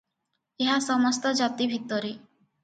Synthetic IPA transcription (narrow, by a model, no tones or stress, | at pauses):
eɦasɔmɔst̪ɔd͡ʒat̪ibʱit̪ːɔɾi